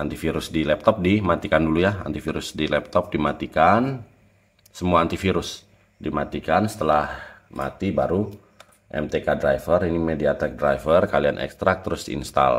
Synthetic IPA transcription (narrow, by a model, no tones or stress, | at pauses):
ant̪ifiɾʊsdilɛp̚t̪ɔp̚dimat̪ikandulujaa̰nt̪ifiɾʊsdilɛp̚t̪ɔp̚dimat̪ikan | səmuaːnt̪ifiɾʊs | dimat̪ikansə̥t̪əlahma̰t̪ibaɾu | ʔɛ̰mt̪ekadɾajfərinimediat̪ɛk̚dɾajfərkalianʔɛ̰kst̪ɾak̚t̪əɾʊsdiḭnst̪a̰l